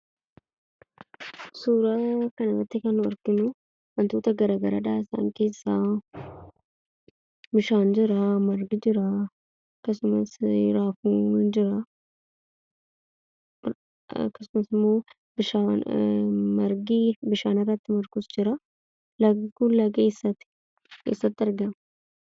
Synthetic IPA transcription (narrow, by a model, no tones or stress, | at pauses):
suːɾakɐnɪrːɐt̪ːɪkɐnːʊɔɾkɪnʊ | wɐnt̪uːt̪ɐɡɐɾaːɡɐɾɐ̰ᶑaːɪsa̰ːŋke̞ːsːaː | bɪʃaːnd͡ʒɪɾɐmɐɾɡɪd͡ʒɪɾɐ | ɐkːɐsʊmɐsɾaːfuːd͡ʒɪɾɐ | ɐ̰kːɐsʊmɐsɪmːo̞ː | bɪʃa | mɐɾɡibɪʃaːnɪrːɐt̪ːɪmɐɾkʊsd͡ʒɪɾɐ | lɐɡkunlɐɡeːsːɐt̪ɪ̥ | kḛːsːɐt̪ːɪɐɾɡɐmɐ